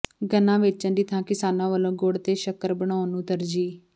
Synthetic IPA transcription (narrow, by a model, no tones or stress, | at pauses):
ɡənãːʋɪt͡ʃãːd̪iːt̪ʰãːkɪsaːnãːʋəlõːɡoːɽt̪eːʃəkəɾbəɽ̃aːnũːt̪əɾd͡ʒiː